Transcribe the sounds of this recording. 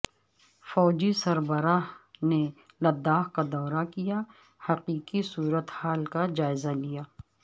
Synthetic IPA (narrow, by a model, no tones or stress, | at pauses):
fɔːd͡ʒisɐɾbəɾaːɦne | lɐd̪ːaːɦkad̪ɔːɾakija | hɐqiːqisuːɾət̪haːlkad͡ʒaːɪzalijaː